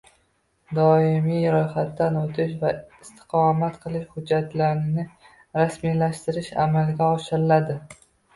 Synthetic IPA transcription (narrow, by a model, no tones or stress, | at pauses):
d̪ɒɪmijɾɒjχat̪ːanot̪ʰɪʃvaɪst̪ʰɪ̥qʰɒmat̪qʰɨlˠɪʃhʊd͡ʒːat̪laɾɪnɪ | ɾasmijlaʃt̪ɪɾɪʃa̰malɡʲaɒʃɪɾɪlad̪ɪ